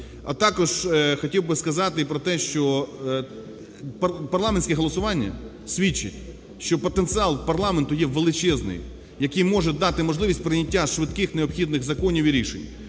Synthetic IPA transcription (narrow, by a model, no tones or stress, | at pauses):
ɐ̰t̪ɑkɔʒxɔtʲiwbɪskɐzɑt̪ɪpɾɔt̪ɛʃt͡ʃɔ | pɐpɐrlˠɑmenʲsʲkʲɛɦɔlˠɔsʊʋɑnʲːɐ̰ | sʲʋʲit͡ʃːɪ̰tʲ | ʃt͡ʃɔpɔt̪ent̪sɨɑlˠpɐrlˠɑment̪ʊjɛʋelˠɪt͡ʃɛznɪ̰j | jɐkijmɔʒɛd̪ɑt̪ɪmɔʒlˠɪʋʲisʲtʲpɾɪnʲɐtʲːaʃʋɪd̪kɪxneɔpxʲid̪nɪɣzɐkɔnʲiwiɾʲiʃenʲ